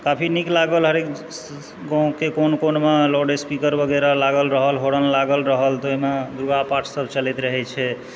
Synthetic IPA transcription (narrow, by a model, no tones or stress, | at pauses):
kapʰiniklaɡəlɦəɾek | ɡɔ̃kekonkonmeloɖespikəɾbəɡeɾalaɡəlɾəɦəlɦoɽənlaɡəlɾəɦəlt̪oɦimed̪uɾuɡapaʈʰsəbʱt͡ʃəlɛt̪ɾəɦɛt͡ʃʰɛ